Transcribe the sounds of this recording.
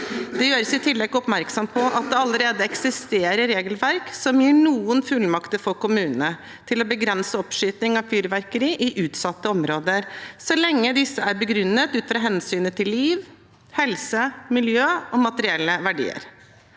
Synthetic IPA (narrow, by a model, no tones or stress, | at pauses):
d̪̥ɛjøːɾəsɪt̪ʰɪlːɛɡɔpmæɾksɔmpʰɔʔɑt̪̚d̪ɛɑləɾeːd̪əɛksɪst̪eːɾəɾeːɡəlʋæɾksɔmjiːɳuːənfʉlmɑkt̪əɾfɔɾkʊmʉːnənə | t̪ʰɪlɔbəɡɾɛnsəɔpʂyːt̪nɪŋɑʋfyːɾʋæɾkəɾiːʔɪʔʉːt̪sɑt̪ːəɔmɾoːd̪əɾsɔlɛŋːəd̪ɪsːəæɾbəɡɾʉnːət̪ʉːt̪fɾɑːɦɛnsyːnət̪ʰɪlːiːʋ | hɛlsəmɪljøːɔmɑt̪əɾɪɛlːəʋæɖḭːə̰ɾ